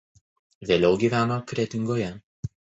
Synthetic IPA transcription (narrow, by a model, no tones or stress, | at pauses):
ʋʲeːlʲɛʊɡʲiːʋʲæːnoːkɾʲɛt̪ʲɪŋɡoːjɛ